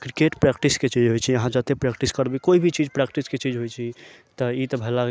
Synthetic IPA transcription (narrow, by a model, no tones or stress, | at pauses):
kɾikeʈpɾɛkʈisket͡ʃid͡ʒɦojt͡ʃʰiəɦãd͡ʒat̪epɾɛkʈiskəɾbikoibʱit͡ʃid͡ʒpɾɛkʈisket͡ʃid͡ʒɦojt͡ʃʰi | t̪əit̪əbʱəla